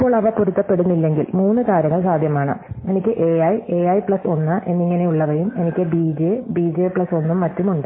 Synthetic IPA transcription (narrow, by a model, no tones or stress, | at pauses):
ipːo̞ːɭɐʋɐporut̪ːɐpːe̞ɽunːilːe̞ŋɡilmuːnːɨkaːɾjɐŋːɐɭsaːd̪ʱjɐmaːɳɨ̰e̞nikʲːɨʔeɐjeɐjpɭɐso̞nːɨʔe̞nːiŋːɐne̞juɭːɐʋɐjume̞nikʲːɨbiːd͡ʑebiːd͡ʑeːpɭɐso̞nːumːɐtːumuɳɖɨ